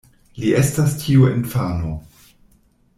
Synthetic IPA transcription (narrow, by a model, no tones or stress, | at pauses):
liʔestastʰiuḛnfaːno